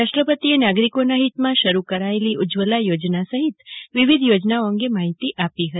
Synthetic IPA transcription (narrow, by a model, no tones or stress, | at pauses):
aʃʈɾəpət̪ienaɡɾikonaɦit̪mãʃəɾukəɾaeliʔʊd͡ʒʋəlajod͡ʒnasəɦit̪ʋiʋid̪ʱjod͡ʒnaoə̃ŋɡemaɦit̪iʔapiɦət̪i